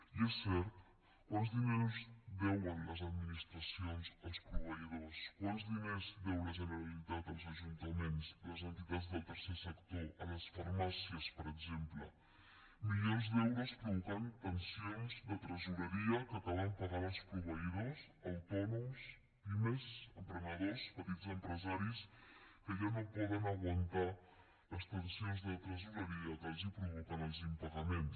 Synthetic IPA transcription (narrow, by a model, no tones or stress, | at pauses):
iɛsːɛɾt̪ | kwanzd̪inɛzbɛwənləzəd̪minist̪ɾəsionzəlˠspɾuβəiðoskwanzðinezβɛwləʒənəɾəlit̪at̪əlˠzəʒunt̪əmenzləzənt̪it̪ad͡zðəlˠt̪ərsɛsəkt̪oʔələsfərmasiəspəɾəɡzemplə | milionzd̪ɛwɾuspɾuβukant̪ənsionzðət̪ɾəzuɾəɾiəkəpɔðəmpəɣaðəlˠspɾuβ̞əiðoz | əwt̪ɔnums | pimezəmpɾəməðespət̪id͡zəmpɾəzaɾiskəʒanopɔðənəɣwənt̪a | ləst̪ənsionzðət̪ɾəzuɾəɾiəkaʒipɾuβukanəlˠzimpəɣəmens